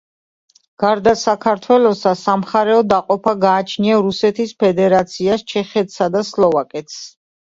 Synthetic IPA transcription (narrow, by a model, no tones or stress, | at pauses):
ɡ̥aɾd̪asakʰaɾt̪ʰwɛlˠɔsasamχaɾɛɔd̪aqʼɔpʰaɡaːt͡ʃʰniaɾusɛt̪ʰispʰɛd̪ɛɾat̪sʰiast͡ʃʰɛχɛt̪ʰsad̪aslˠɔvakʼɛt̪ʰs